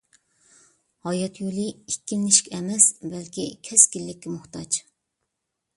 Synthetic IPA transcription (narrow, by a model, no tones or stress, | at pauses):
hɑjɑt̪ʰjuliikʲːimnɪʃkʲʰɛmɛsbælkʲʰikʲʰɛsɡʲilːɪkʲːɪmʊxt̪ɑt͡ʃ